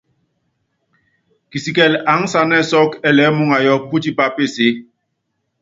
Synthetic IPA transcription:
ki˨si˨kɛ˨la˨˦ŋ˦sa˦nɛ˦sɔ˦kɛ˦lɛ˨˦mu˦ŋa˨jɔ˦pu˦ti˦pa˦pe˦˨se˨˦

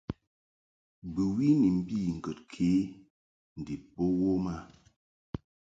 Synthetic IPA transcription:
bɨ˨wi˦ni˨m̩˦bi˦˨ŋ̩˨kə˨tkʰeː˨˦ | n̩˨di˨po˦wo˦ma˦˨

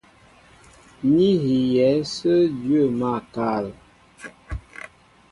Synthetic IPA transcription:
ni˦ɣi˨jɛ˨˦sə˦djɥə˦˨ma˦˨ka˨l

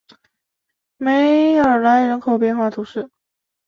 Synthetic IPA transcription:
me˧˥ɪə˞˨˩la˧˥ɪɻə˧˥nkʰo˨˩ʊpjɛ˥˧nxwa˥˩t̪ʰu˧˥ʂɻ̩˥˩

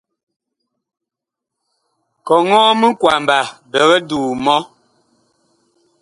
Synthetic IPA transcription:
kɔ˨ŋɔ̃ː˦mə˦ŋ˦kwa˨m˨ba˨bɛ˨ɣɛ˦duː˨mɔ˦

